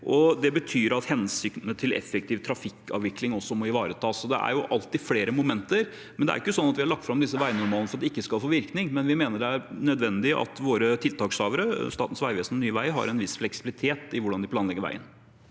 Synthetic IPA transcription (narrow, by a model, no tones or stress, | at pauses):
ʔɔd̪ɛbət̪ʰyːɾɑt̪hɛnsʏknət̪ʰɪlɛ̰fɛk̚t̪ʰiːʋt̪ʰɾɑfɪkːɑ̰ːʋɪklɪŋɔsːɔmɔɪʋɑːɾət̪ʰɑːsɔd̪ɛ̰ʔæ̰ɾjʊʔɑlt̪ːɪfleːɾəmʊmɛnt̪əɾ | mɛnd̪ɛæ̰ɾɪkːəsɔnːɑt̪ʋɪhɑɭɑk̚t̪fɾɑmd̪ɪsːəʋæɪnʊɾmɑlnəfɔɾɑt̪d̪ɛɪkːəskɑlfoːʋɪɾknɪŋmɛnʋɪmeːnəɖɛæɾnœd̪ʋɛnd̪ɪʔɑ̰t̪ʋoːɾət̪ʰɪlt̪ʰɑːksɑːʋəɾəst̪ɑːt̪n̩sʋæɪʋeːsnnyːʋæɪɦɑ̰ɾɛnʋɪsflɛksɪbɪlɪt̪ʰeːt̪ɪʋʊɖɑnd̪ɪpʰlɑːnlɛɡːəɾʋæ̰ɪə̰n